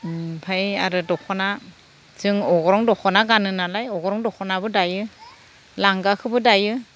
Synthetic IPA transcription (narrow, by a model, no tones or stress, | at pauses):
pʰajaɾɯdɔkʰɔna | zɯŋɔɡɔɾɔŋdɔkʰɔnaɡanɯnalajɔɡɔɾɔŋdɔkʰɔnabɯdajɯ | laŋɡakʰɯbɯdajɯ